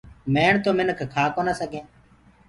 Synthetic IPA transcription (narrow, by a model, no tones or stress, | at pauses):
meːɳt̪oːmɪnəkʰkʰaːkoːnaːsəɡʱẽː